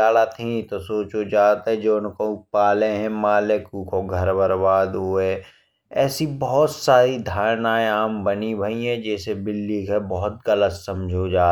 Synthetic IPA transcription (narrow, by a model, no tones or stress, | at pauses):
aːɽat̪ʰĩt̪osoːt͡ʃod͡ʒaːt̪ɦɛ̃d͡ʒoːʊnkoʊpaːleɦɛ̃maːlekuːkʰoɡʱɐɾbəɾbaːd̪ɦue | ɛːsibɔɦɔt̪saːɾid̪ʱaːɾnaːeaːmbənibʱɐiɦɛ̃d͡ʒɛːsebɪlːikəbɔɦʊt̪̚ɡələt̪sɐmd͡ʒʱod͡ʒaː